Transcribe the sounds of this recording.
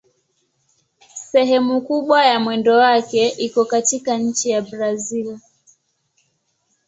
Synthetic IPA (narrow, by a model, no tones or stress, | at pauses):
sɛɦɛmukuɓwajamwɛndɔwakɛʔikɔkatikaɲ̩t͡ʃijaɓɾazil